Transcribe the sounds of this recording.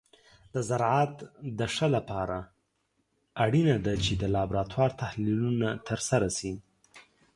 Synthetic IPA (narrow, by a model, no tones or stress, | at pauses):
d̪əzaɾʕɑt̪d̪əʂəlapɑɾa | aɽinad̪at͡ʃed̪əlɑbɾɑt̪ʰwɑɾt̪ahlilunat̪ʰəɾsaɾasi